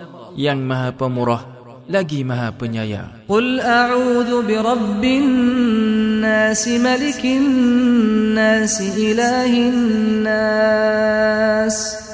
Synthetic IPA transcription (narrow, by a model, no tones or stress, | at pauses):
jaŋmaɦapəmuɾɔh | laɡimaɦapəɲaja̰ | qʊlʔaʕuːðʊbɪɾˤɑbːɪ | aːsɪmalɪkɪnː | aːsɪʔɪlaːhɪnnːa | s